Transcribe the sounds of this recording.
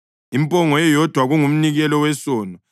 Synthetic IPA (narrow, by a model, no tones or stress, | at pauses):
impʼɔŋɔjɛjɔd̥ʱwaɣuŋum̩niɣɛlɔwɛsɔːnɔ